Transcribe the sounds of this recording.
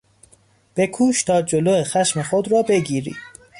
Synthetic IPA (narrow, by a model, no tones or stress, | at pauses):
b̥e̞kʰuːʃt̪ʰɒːd͡ʒoloːexæʃmexod̪rɒːbe̞ɡiːɾḭ̥ː